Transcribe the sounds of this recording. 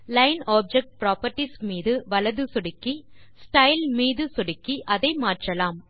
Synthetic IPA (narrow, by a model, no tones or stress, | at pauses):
lɐɪnaːb̚d͡ʒɛk̚ʈ̚pɾaːpɐɾʈismiːðɯʋɐlɐðɯsɔɽɪkːi | sʈɐɪlmiːðɯsɔɽɪkːiʔɐðɐɪmaːʈrɐlaːm